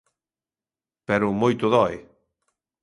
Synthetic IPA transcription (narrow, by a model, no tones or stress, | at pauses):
pɛɾʊmojt̪ʊðɔj